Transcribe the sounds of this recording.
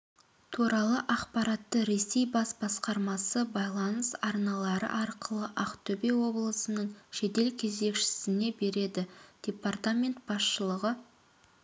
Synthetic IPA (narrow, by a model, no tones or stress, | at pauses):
t̪ʰuɾɑlˠəʔɑqpɑɾɑt̪ːəɾe̞se̞jbɑsbɑsqɑɾmɑsəbɑjlˠɑnəsɑɾnɑlˠɑɾə̰ʔɑɾqəlˠəʔɑqt̪ʰɵbe̞wo̞blˠəsənəɴʃe̞t̪e̞lkʲʰe̞ze̞kʃɪ̥sɪne̞be̞ɾe̞d̪ɪd̪̥e̞part̪amʲe̞nt̪̚b̥ɑsʃəlˠəʁə